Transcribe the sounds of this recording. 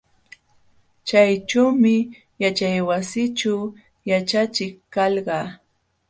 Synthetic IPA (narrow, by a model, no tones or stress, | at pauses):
t͡ʃajʈ͡ʂawmɪ | jat͡ʃajwasɪt͡ʃa | jat͡ʃat͡ʃɪkkɑlɢɑː